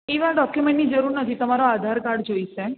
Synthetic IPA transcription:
eʋãɖɔkjumẽɳʈnid͡ʒəɾuɾnət̪ʰit̪əmaɾoad̪ʱaɾkaɾɖd͡ʒoiʃe

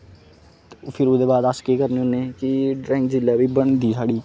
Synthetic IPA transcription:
pʰɪɾʊd̪eːbaːd̪aːskeːkəɾneʊneːkɪɖɾɛ̃ːŋkd͡ʒɪlːaːbiːbəɳd̪iːsaːɽiː

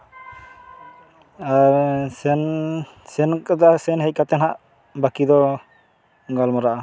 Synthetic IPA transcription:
aɾsɛn | sɛnkad̪asɛnɦɛc̚kat̪ɛnɦaʔ | bakid̪ɔ | ɡalmɔɾaʔa

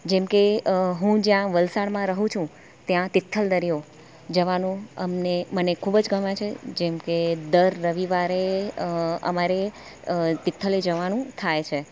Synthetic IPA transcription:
d͡ʒɛmkeɦũd͡ʒjãʋəlsaɽmãɾəɦũt͡ʃʰũ | t̪jãt̪ɪt̪ʰːəld̪əɾijo | d͡ʒəʋanũə̰mnemənekʰubd͡ʒɡəmãt͡ʃʰed͡ʒemked̪əɾːəʋiʋaɾe | ə̰maɾe | t̪ɪt̪ʰːəled͡ʒəʋanũt̪ʰajt͡ʃʰe

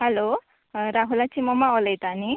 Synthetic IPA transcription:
hɛlo | ɾaɦulat͡ʃimɔmaɔlejt̪ani

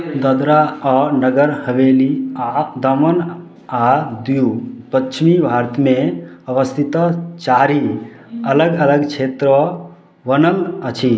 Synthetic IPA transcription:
d̪əd̪ɾaɔːɾnəɡəɾhəʋeːliad̪ɐmən | ad̪iupətːt͡ʃʰmibʱaːɾt̪ʰmẽɐʋəst̪ʰit̪ət͡ʃaːɾi | ɐləɡɐləɡt͡ʃʰeːt̪ɾə | ʋənənət͡ʃʰi

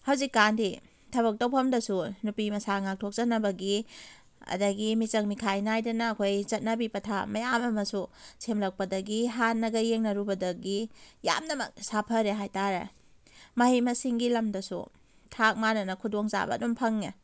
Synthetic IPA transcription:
hawzikːandi | tʰɐbɐk̚dɐwpʰɐmdɐsunupimɐsaŋak̚tʰok̚zɐtnɐbɐɡi | ɐ̰dɐɡimit͡ʃɐk̚mikʰajnajdɐnɐːkʰojzɐt̚nɐbibɐtʰamɐjamɐmɐsusʰemlɐk̚pɐdɐɡiɦanːɐɡɐjeŋnɐɾubɐdɐɡija̰mnɐmɐ̰k̚sapʰɐɾeɦajtaɾḛ | mɐhimɐsiŋɡilɐmdɐsṵ | tʰak̚manɐnɐkʰudoŋza̰bɐ̰dumpʰɐŋnɐ̰

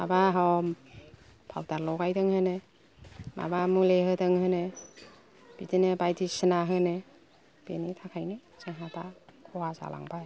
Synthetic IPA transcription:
ma̰baɦɔm | pʰawdaɾlɔɡajdɯŋhɯne | ma̰bamuleɦɯdɯŋhɯne | b̥idinebajdisinaɦɯne | b̥enitʰakʰajni | sɯŋɦatakʰɔwaza̰lʔa̰ŋbaj

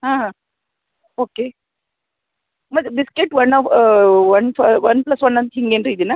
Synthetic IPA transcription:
ɦãːɦã | oːkeː | mɐbɪskeʈːʋɐnːafʋɐnfɐʋɐnplɐsʋɐnːɐnt̪ɦiŋɡenɾiːd̪ɯna

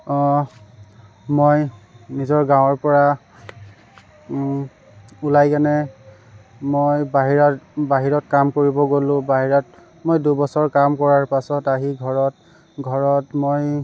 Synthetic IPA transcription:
mojnizɔɹɡãw̃ɔɹpɔɹa | ulajkanɛ | mojbaɦiɹabaɦiɹɔtkamkoɹibɔɡolʊ̃baɦiɹɔt | mojdubɔsɔɹkamkɔɹaɹpasɔtaɦiɡʱɔɹɔt | ɡʱɔɹɔtmoj

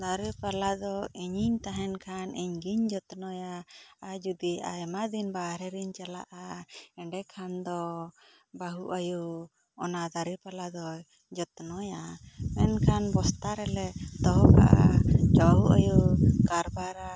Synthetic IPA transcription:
d̪aɾəpalad̪ɔiɲiɲt̪aɦɛnkʰanʔiɲɡiɲd͡ʒɔt̪nɔjaːd͡ʒud̪ia̰jmad̪inbaɾɛɾiɲt͡ʃala̰ʔaɛɳɖɛkʰand̪ɔ | baɦuʔaju | ɔnad̪aɾipalad̪ɔ | d͡ʒɔt̪nɔjamɛnkʰanbɔst̪aɾɛlɛd̪ɔɦɔka̰ʔa̰t͡ʃɔɦuʔa̰jukaɾbaɾa

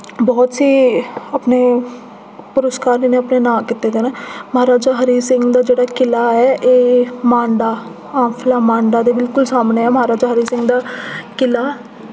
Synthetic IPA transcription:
bɔːt̪siːəpneː | pʊɾəskaːɾlineəpneːnãːkɪt̪ːeːd̪eːneːməɦaːɾaːd͡ʒaːɦəɾiːsɪ̃ŋɡd̪aːd͡ʒeːɽaːkɪlaːɛːʔeːmãːɳɖaː | ãːmpʰɪlaːmãːɳɖaːd̪eːbɪlkʊlsaːmneːɛːməɦaːɾaːd͡ʒaːɦəɾiːsɪ̃ŋɡd̪aːkɪlaː

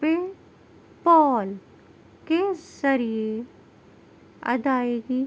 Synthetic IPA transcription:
e | pɔːl | kezɐɾie | ɐ̰d̪aːeːɡiː

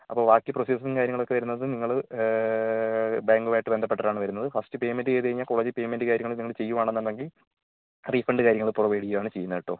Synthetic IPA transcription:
ɐpːo̞ːʋaːkːjiproseːs̬inkaːɾjɐŋːɐɭo̞kːe̞ʋɐɾunːɐðɨniŋːɐɭ | baːŋɡuʋaːjiʈːɨbe̞nd̪ɐpːeʈːɐraːɳɨʋɐɾunːɐðɨfɐstɨpe̞ːmendɨkeːðɐɾiɲːaːlko̞ːɭed͡ʑipe̞ːjmendɨkaːɾjɐŋːɐɭilniŋːɐɭt͡ɕe̞jːuʋaːɳenːɐnd̪ɐŋɡil | riːfɐɳɖɨkaːɾjɐŋːɐɭpurɐʋeːɽijuʋaːɳɨt͡ɕejːunːɐʋiʈːoː

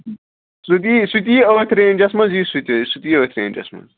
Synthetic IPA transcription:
sut̪isut̪̬iːoːt̪ʰɾeːnd͡ʒɐsmɐnzisut̪isut̪ioːt̪ʰɾḛːnd͡ʒɐ̰smɐ̰z

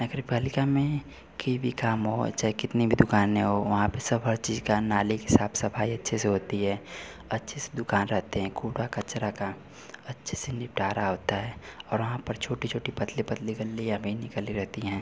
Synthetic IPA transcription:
nɐɡɾɪpaːlɪkamẽ | kɐibʱikaːmɦo̰t͡ʃaːɦekɪt̪nibʱid̪ʊkaːnɦɛ̃ɦoʋɐɦãpɐsɐbɦɐɾt͡ʃiːzkanaːliɦɪsaːbsɐpʰaːiɐtːʃʰeseɦoːt̪iɦɛː | ɐtːʃʰesed̪ʊkaːnɾɛɦt̪eɦɛ̃ːkuːʈakɐt͡ʃɾaka | ɐtːʃʰesenɪp̚ʈaːɾaɦoːt̪aɦɛːɔːɾʋɐɦãpɐɾt͡ʃʰoːʈit͡ʃʰoːʈipɐt̪lipɐt̪liɡəlːijabʱinɪkəliɾɛɦt̪iɦɛ̃ː

